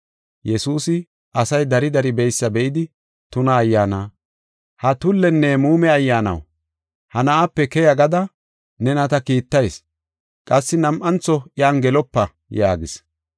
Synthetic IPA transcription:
jɛsuːsɪ | ʔɐsɐjd̪ɐɾɪd̪ɐɾɪbɛjsːɐbɛʔɪd̪ɪ | t̪ʊnɐːjːaːnaː | hɐt̪ʊlːɛnːɛmuːmɛɐjːaːnɐ̰w | hɐnɐaːpːɛkɛjɐɡɐd̪ɐ | nɛnɐt̪ɐkiːt̪ːɐjs | kʼɐsːɪnɐmʔɐnt͡sːɔʔɪaːnɡɛlɔpːɐ | jaːɡɪs

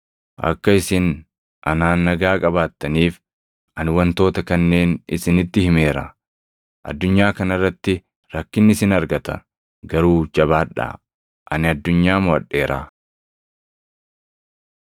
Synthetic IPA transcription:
ʔɐ̰kːɐɪsɪn | ʔɐnaːnːɐɡaːkʼɐbaːt̪ːɐniːf | ʔɐnwɐnt̪o̞ːt̪ɐkɐnːe̞ːnɪ̰sɪnɪt̪ːɪhɪme̞ːɾɐ̰ | ʔɐ̰d̪ːʊɲːaːkɐnɐrːɐt̪ːɪ | ɾɐkːɪnːɪsɪnɐɾɡɐt̪ɐ̰ | ɡɐɾuːd͡ʒɐβaːᶑa̰ː | ʔɐnɪɐd̪ːʊɲːaːmʊɐ̰ᶑːe̞ːɾa̰ː

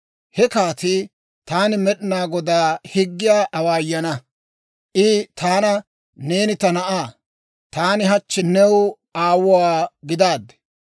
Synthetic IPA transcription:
hɛkaːt̪ɪ | t̪aːnɪmɛɗɪnaːɡɔd̪aːhɪɡːɪjaːʔɐwaːjːɐnɐ | ʔɪt̪aːnɐ | ne̞ːnɪt̪ɐnɐʔaː | t̪aːnɪɦɐt͡ʃːɪnɛw | aːwʊwaːɡɪd̪aːd̪ɛ

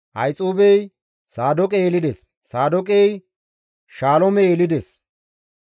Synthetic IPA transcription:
ʔɐ̰jt͡sʼuːbɛj | saːd̪ɔkʼɛjelɪd̪ɛs | saːd̪ɔkʼɛj | ʃaːlɔmɛelɪd̪ɛs

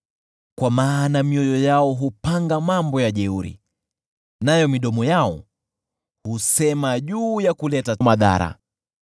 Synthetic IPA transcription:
kwamaːnamiɔjɔjaɔɦupaŋɡamambɔjaʄɛuɾḭ | najɔmiɗɔmɔjaɔ | husɛmaʄuːjakulɛtamaða̰ɾa̰

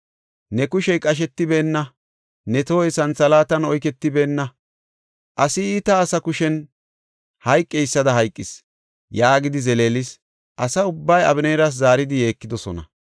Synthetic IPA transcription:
nɛkʊʃɛjkʼɐʃ̬ɛt̪ːɪbe̞ːnːɐ | nɛt̪oːjsɐnsɐlaːt̪ɐnɔjk̬ɛt̪ːɪbe̞ːnːɐ | ʔɐsɪiːt̪ɐːsɐkʊʃɛn | hɐjkʼːɛjɪsːɐd̪ɐɦɐjkʼːɪs | jaːɡɪd̪ɪzɛle̞ːlɪs | ʔɐsɐʊbːɐjɐ̰bɪneːɾɐs̬zaːɾɪd̪ɪje̞ːkːɪd̪ɔsɔnɐ̰

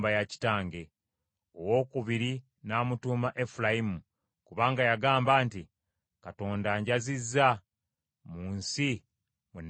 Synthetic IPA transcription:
bajaci̥taːŋɡe̞ | owo̞ːkuβiɾi | naːmutuːmaʔe̞fulajimu | kuβaːŋɡajaɡaːmbaːnti | kato̞ːndaɲɟazizːa | muːnsi | mun

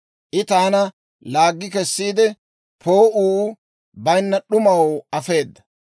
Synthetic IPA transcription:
ʔɪt̪aːnɐ | laːɡːɪkɛsːiːd̪ɛ | pʰo̞ːʔuː | bɐjnːɐɗʊmɐwɐfe̞ːd̪ːɐ̥

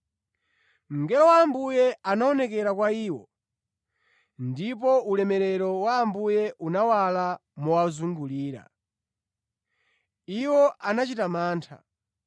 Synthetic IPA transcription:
m̩ŋɡɛlɔwaːmbujɛanaɔnɛkɛɾakwaiːwɔ | ndip̬ɔulɛmɛɾɛɾɔwaːmbujɛʔunawalamuwazuŋɡuliːɾa̰ | iwɔanat͡ʃitamaːntʰa̰

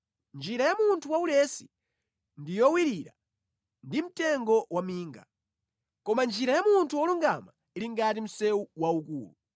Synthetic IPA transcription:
nd͡ʒiɾajamuntʰuwaulɛsi̥̰ | ndijɔwiɾiɾa̰ | ndim̩tɛŋɡɔwamiːŋɡa̰ | kɔmand͡ʒiɾajamuntʰuwɔluŋɡama | iliŋɡatim̩sɛuwaukṵːlṵ

